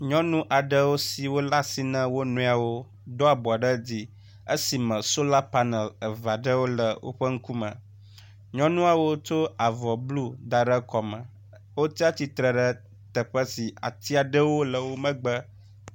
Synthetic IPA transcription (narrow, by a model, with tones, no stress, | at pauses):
ɲɔ̃˦nũ˦ʔa˨ɖə˦wo˦si˨wo˦la˦si˦nə̃˦wo˦nũ˦a˨wo˦ | d̪ɔ˦a˨bɔ˨a˨ɖə˦d͡ʑi˦ | ə˦si˨mə̃˨so˦la˦pa˦nɛ˨lə˨va˨ɖə˦wo˦lə˨wo̰˦ɸə˦ŋ̩˦ku˦mə̰̃˨ | ɲɔ̃˦nũ˦a˨wo˦t͡ʃo˦a˨vɔ˨blu˦d̪a˨ɖə˦kɔ˨mə̃˨ | wo˦t̪i˦a˦t̪i˦t̪ɾə˨ɖə˦ | t̪ə˨ɸə˦si˨a̰˨t̪i˦a˨ɖə˦wo˦lə˨wo˦mə̃˦ɡ͡bə˦